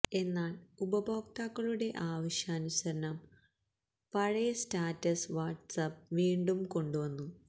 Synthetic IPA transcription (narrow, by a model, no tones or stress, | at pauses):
e̞nːaːɭubɐbʱoːkt̪aːkːɐɭuɽe̞ʔaːʋɐɕaːnuɕɐɾɐnɐm | pɐɻɐjɐstaːtːɐsʋaːʈsɐp̚ʋiːɳɖumko̞ɳɖuʋɐnːu